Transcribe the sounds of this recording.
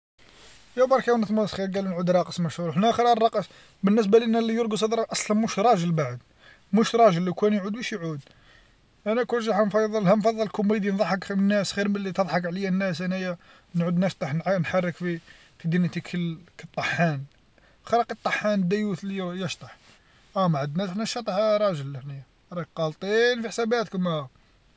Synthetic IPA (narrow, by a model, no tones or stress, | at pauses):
jæbɑɾˤkæwnət̪mɑsxiɾɡælnʕud̪ɾˤɑqəsˤmæʃhuɾħnæxɾˤɑrˤːɑqəs | bənːəs̬bæliʔnːælijʊɾɡus̬ˤɑd̪ɾˤɑʔɑsˤlɑnmuʃɾˤɑʒəlbaʕəd̪ | muʃɾˤɑʒəlːikwænjʕud̪wæʃjʕud̪̚ | ʔænækʊlʒɑħɑnfɑðˤːəlhæmfɑðˤːɑlkʊmːid̪inðˤɑħɑknːæsxiɾməlːit̪əd̪ˤħɑkʕləjænːæs̬ʔænæjæ | nʕud̪næʃt̪ˤɑħnnħɑrˤːəkfi | fid̪int̪ikʰəlkət̪ˤːɑħæn | xɑɾˤɑqət̪ˤːɑħːænd̪ːæjut̪lijjəʃt̪ˤɑħ | ʔæmaʕəd̪næsħnæʃɑt̪ˤɑħɾˤɑʒəlːəħnij | ɾˤɑkqɑlt̪ˤinfiħsæbæt̪kmæ